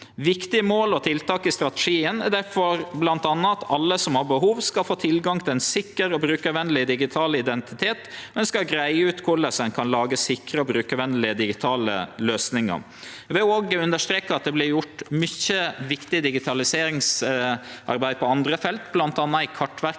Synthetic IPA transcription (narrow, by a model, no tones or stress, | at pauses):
ʋɪkt̪ɪəmoːlɔt̪ʰɪlt̪ɑːkɪst̪ɾɑt̪ɛ̥ʂiːənæɖæɾfɔɾblɑnt̪ɑnːɑɑt̪ɑlːəsɔmhɑɾbəɦuːʋskɑlfoːt̪ʰɪlɡɑŋt̪ʰɪlɛnsɪkːəɾɔbɾʉːkəʋɛnlɪd̪ɪɡɪt̪ʰɑːləɪd̪ɛnt̪ɪt̪ʰeːt̪ɔɛnskɑɡɾæɪəʉːt̪kʰʊɭəsɛnkʰɑnlɑːɡəsɪkɾəɔbɾʉːkəʋɛnlɪəd̪ɪɡɪt̪ʰɑːlə̰løːsnɪŋə̰ | ʋɛoːɡʉnd̪əʂt̪ɾeːkɑt̪̚d̪ɛblɪɾjʊʈmʏçəʋɪkt̪ɪd̪ɪɡɪt̪ʰɑlɪseːɾɪŋs | ʔɑ̰ɾbæɪd̪pʰɔɑnd̪ɾəfɛlt̪blɑnt̪ɑnːɑɪkʰɑʈːʋæɾk